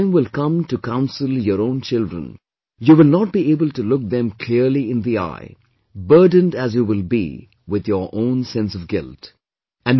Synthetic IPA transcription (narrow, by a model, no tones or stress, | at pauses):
ɪ̃mwɪlˠkʌ̃mtukãʊ̃nsəlˠjəɾõʊ̃nt͡ʃɪldɹə̰̃n | juwɪlnɔʈ̚b̥ieɪbəltulʊk̚ðɛ̃mkʰl̥ɪɹliɪ̃nd̪ia̰ɪ | bɜ˞d̃ⁿn̩dæzjuwɪlbḭ | wɪðjə˞ʔõʊ̃nsɛ̃nsʌvɡɪlt | ɨæ̃n